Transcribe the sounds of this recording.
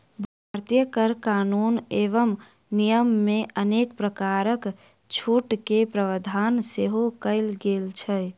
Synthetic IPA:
bʱaɾt̪ijəkəɾkaːnuːneːʋəm | nijəmːẽʔəneːkpɾəkaːɾək | t͡ʃʰuʈkepɾəʋəd̪ʱaːnseɦokəɪlɡeːlt͡ʃʰɛ

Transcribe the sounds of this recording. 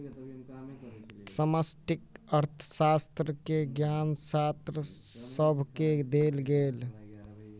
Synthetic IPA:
səməsʈikəɾt̪ʰə̥sast̪ɾəkeɡjansat̪ɾəsəbʱked̪elɡel

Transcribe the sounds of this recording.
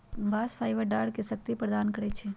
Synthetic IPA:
baːsfʰaːɪʋəɾɖaːɽkesɐk̚t̪ipɾɐd̪aːnkɐɾet͡ʃʰe

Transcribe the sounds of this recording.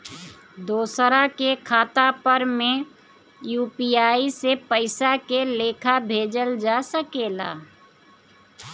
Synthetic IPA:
d̪oːsɾakekʰaːt̪apəɾmẽ | juːpiaːisepəɪsakeleːkʰabʱeːd͡ʒəld͡ʒaːsəkeːla̰ː

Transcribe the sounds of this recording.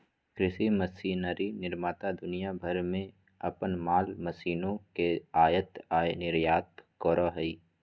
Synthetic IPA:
kɾɪsiməsiːnəɾinɪɾmaːt̪ad̪ʊnijabʱəɾmẽ | ɐpənmaːlməsiːnõkeaːjət̪aːjnɪɾjaːt̪kɔːɾoɦəiː

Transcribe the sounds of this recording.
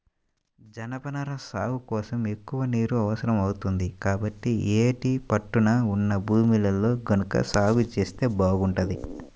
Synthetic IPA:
d͡ʒɐnɐpɐnɐɾɐsaːɦukɔːsɐme̞kːuʋɐniːɾuɐʋɐsɐɾɐmɐwut̪und̪ikaːbɐʈːieːʈipɐʈːunaːunːɐbʱuːmilɐlːo̞ːɡɐnukɐ̰saːɡut͡ʃe̞ːst̪e̞ːbaːɡuɳʈɐd̪i

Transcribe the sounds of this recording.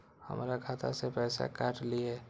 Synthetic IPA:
hə̰mːɾaɡʱaːt̪a̰sepɛːsa̰kaːʈlie

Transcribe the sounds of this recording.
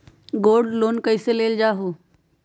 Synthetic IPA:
ɡoːɾɖloːnkəɪseleːld͡ʒaːɦo

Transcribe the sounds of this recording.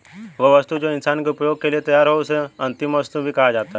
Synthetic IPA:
ʋoʋəst̪ud͡ʒoɪnsaːnkeʊpjoːɡ̚keliet̪ɐjaːɾɦoʊseɐ̃nt̪ɪmʋɐst̪ubʱikɐɦad͡ʒaːt̪aɦɛ

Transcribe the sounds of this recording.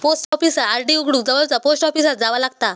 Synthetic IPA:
posʈɔfisaaɾɖiuɡɽuːk̚d͡zəʋəlt͡saposʈɔfisat̪̚d͡zaʋalaɡt̪a

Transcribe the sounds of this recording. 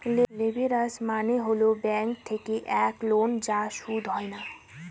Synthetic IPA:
llebʱeɾəsmaneɦolobɛ̃ŋk̚t̪ʰekeʔɛklond͡ʑaʃud̪ʱɦɔena

